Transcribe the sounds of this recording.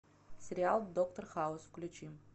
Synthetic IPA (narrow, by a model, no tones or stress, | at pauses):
sʲɪɾʲɪalˠd̪okt̪orxaʊsfklʲʉt͡ɕim